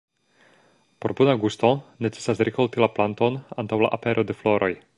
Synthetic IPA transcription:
po̞ɾbunaɡusto̞ne̞t͡se̥sasɾikoltilaplanto̞na̰ntawla̰ʔape̞ɾʔo̞de̞flo̞ɾʔo̞j

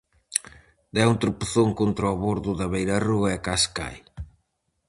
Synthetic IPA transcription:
d̪ɛunt̪ɾupuθoŋkont̪ɾoaβoɾðʊðɐβejɾaruɐɛkaska̰j

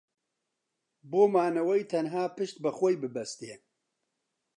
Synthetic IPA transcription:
boːmaːnɐwɛjt̪ʰɐnɦaːpɨʃt̪̚bɨxʷojbɨbɛst̪je

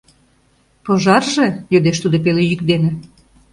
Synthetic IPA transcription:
poʒɑrʒejød̪eʃt̪ud̪opelejykd̪enĕ

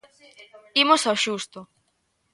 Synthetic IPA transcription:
imosawʃust̪ʊ

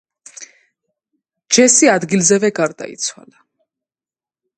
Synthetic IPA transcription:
d͡ʒɛsiad̪ɡilzɛvɛɡaɾd̪a̰ḭt̪sʰwa̰la

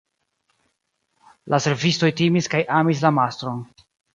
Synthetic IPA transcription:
lase̞ɾvisto̞jtimiskajʔamis̬lamastɾo̞n

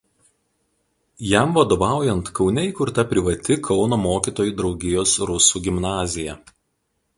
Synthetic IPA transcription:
jæˑmʋɐd̪oːʋɑˑʊjɛnt̪kɒʊnʲɛiːˑkʊɾt̪ɐpʲɾʲɪʋɐt̪ʲɪkʰɒʊnoːmoːkʲiːt̪oːjuːˑd̪ɾɒʊɡʲɪjoːsɾʊsuːɡʲɪmnɑːzʲɪjɛ

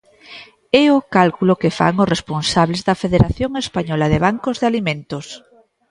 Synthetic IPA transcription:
ɛokalkulokefa̰ŋosresponsaβlezðɐfeðeɾaθjoŋespaɲɔlaðeβ̞aŋkozðealimẽnt̪os

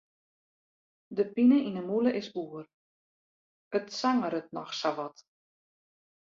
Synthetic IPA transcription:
dəpinəʔinəmuləʔɪsuər | ətsaŋəɾət̚nɔxsaʋɔt

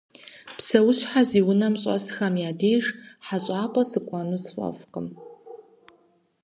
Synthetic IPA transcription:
psɐwʊɕħaziːwʊnɐmɕʼsɨxɐmjaːdeːʒħaɕʼaːpʼɐsɨkʷʼɑːnusfʼɐ̰fqəm

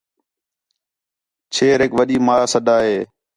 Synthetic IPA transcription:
t͡ʃʰeːɾɪkʋəɗiːmaːaːsəɗaːɦeː

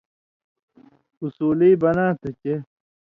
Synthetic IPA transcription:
usuːliːbɐnãːt̪ʰet͡ɕe

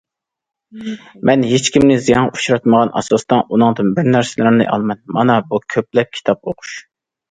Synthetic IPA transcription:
mʔɛnɦet͡ʃkʲimnɪzijɑŋu̥ʃɾɑt̪məʁɑnʔɑ̰sɑst̪ɑnʔunɨŋd̪ɨnbɪɾnæɾsɪlmnɨ̰ʔɑ̰lˠmɛnmɑnɑbukʲʰøplɛp̚kʲʰi̥t̪ʰɑp̚oqʰu̥ʃ

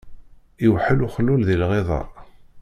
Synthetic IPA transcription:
iwħəluχəlːulðilʁeðˤɑ̰ɾˤ

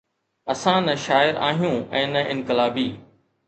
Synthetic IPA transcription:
ɐsãːnɐʃaːɪɾa̰ːɦijũʔɛ̃ːnɐʔɪ̃nkɪlaːbiː

